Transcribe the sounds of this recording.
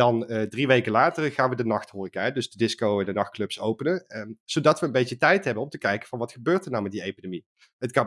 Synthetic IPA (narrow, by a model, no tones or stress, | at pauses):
dɑndriʋejkəlaːtərχaːnʋədənɑxthʊːrikəɦɛdɵzdədɪskowɛndənɑxt̚klɵpsowpənəz̥odɑtʋəːnbejtətɛjtɦɛbənɔmtəkɛjkəv̥ɑnʋɑtχəbøːrɹtərnawmɛt̚diejpidemi | ɦətkɑ